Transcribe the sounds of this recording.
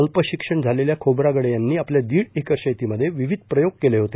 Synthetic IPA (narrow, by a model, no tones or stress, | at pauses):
əlpəɕikʂəɳd͡zʱaleljakʰobɾaɡəɽjanːiːapljad̪iːɽikəɾɕəjt̪iməd̪ʱːjeʋiʋid̪̚ʱpɾəjoɡ̚keleɦot̪e